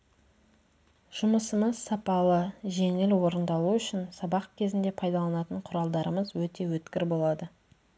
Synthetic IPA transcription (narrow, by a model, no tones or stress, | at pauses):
ʒ̥ʊməsəməzsɑpɑlˠəʒe̞ŋɪlwo̞ɾənd̪ɑlˠuʏʃɪnsɑbɑq̚kʲʰe̞zɪnd̪e̞pʰɑjd̪ɑlˠɑnɑt̪əɴqʰʊɾɑlˠd̪ɑɾəməzwɵt̪e̞wɵt̪kʲɪɾbo̞lˠɑd̪ə